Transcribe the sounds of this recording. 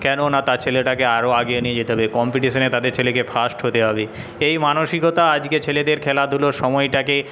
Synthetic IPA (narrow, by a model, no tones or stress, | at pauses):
kɛnonat̪at͡ɕʰeleʈakeaɾoaɡeonied͡ʑit̪eɦɔbekɔmpiʈiʃonet̪ad̪eɾt͡ɕʰelekefʰasʈɦot̪eɦɔbe | ejmanoʃikot̪aad͡ʑket͡ɕʰeled̪eɾkʰɛlad̪ʱuloʃɔmɔjʈake